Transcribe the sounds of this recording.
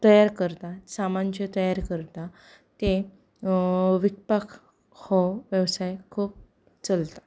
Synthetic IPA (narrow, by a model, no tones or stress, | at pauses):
t̪əjaɾkəɾt̪asamaɲt͡ɕet̪əjaɾkəɾt̪a | t̪e | ʋik̚pak | hɔʋeʋsajkʰuːp̚ | t͡səlt̪a